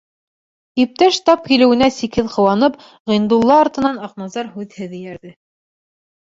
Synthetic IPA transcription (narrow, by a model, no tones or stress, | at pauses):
ip̚t̪æʃt̪ɑp̚kilɘ̆wɘ̆næsikhɘðqɤ̆wɑnɤp | ʁĭnd̪ulˠːɑːɾt̪ɤ̆nɑnɑqnɑzɑɾhʉðhɘðɘjæɾðɘ